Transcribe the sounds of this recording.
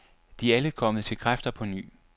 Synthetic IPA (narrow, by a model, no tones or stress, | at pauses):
d̥iæləkʰɒ̽məð̩ˠt͡sʰe̝lkʰʁafd̥ɐpʰɒ̽ny̰ː